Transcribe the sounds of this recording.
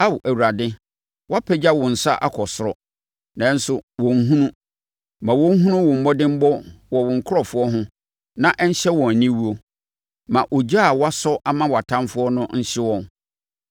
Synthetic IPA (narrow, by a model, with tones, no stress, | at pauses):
a˦wʔæ˨wu˨ɾa˨dɪ̃˦ | wa˦pʰɛ˦d͡ʑa˦wɔ̃˨n̩˨sa˦ʔa̰˦kʰɔ˨sʊ˨ɾɔ˦ | nã˨˦n̩˦sʊ˨wɔ̃˨ŋ˦ɦũ˦nũ˦ | mã˨wɔ̃˦ŋ̩˦ɦũ˦nʊ̃˦wɔ̃˨m̩˦bɔ˦dɪ̃˦m̩˦bɔ˦wɔ˨wɔ̃˨ŋ̩˨kʰʊ˦ɾɔ˨fʊ˦ɔ˦ɦʊ̃˦ | nã˨ʔɛ˦ɲ̩˦ɕɛ˦wɔ̃˨nĩ˦wu˦o˨ | mã˨ʔo˨d͡ʑa˦˨wa˦sɔ˦ʔa˦mã˦wa˨tʰã˦mfʊ˦ɔ˦nʊ̃˦n̩˦ɕɪ˦wɔ̃˨n